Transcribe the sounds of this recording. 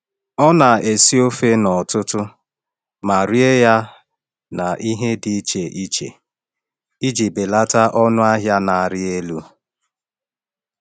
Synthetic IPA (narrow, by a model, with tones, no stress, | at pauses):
ɔ˦na˨e˨si˦o˦fe˦nɔ˨tʊ˦tʊ˦ | ma˨ɾi˦e˦ja˦ | na˨ʔi˦ɦe˦di˨˦t͡ʃe˨ʔi˦t͡ʃḛ˨ | i˦d͡ʒi˨bɪ˨la˦ta˦ʔɔ˦nʊ˦a˦ɦja˦na˨ɾɪ˦e˦lu˦